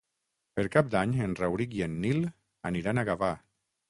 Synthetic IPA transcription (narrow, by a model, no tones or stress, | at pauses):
peɾkap̚d̪aɲenrawɾikienːil | aniɾanaɣafa